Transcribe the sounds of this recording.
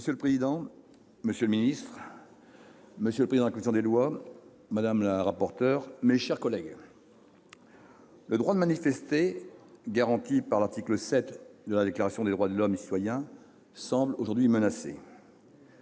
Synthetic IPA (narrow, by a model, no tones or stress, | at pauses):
məsjøləpχezid̪ɑ̃ | məsjøləminist̪χ | məsjələpχezid̪̃dlakɔmisjɔ̃d̪elwa | mad̪amlaʁapɔʁt̪œʁmeʃɛʁkɔlɛɡ | ləd̪ʁwad̪əmanifɛst̪eɡaʁɑ̃t̪ipaʁlaʁt̪ikləsɛt̪d̪əlad̪eklaʁasjɔ̃d̪ed̪ʁwad̪əlɔmesi̥t̪wajɛ̃ | sɑ̃bloʒuʁd̪ɥimənasḛ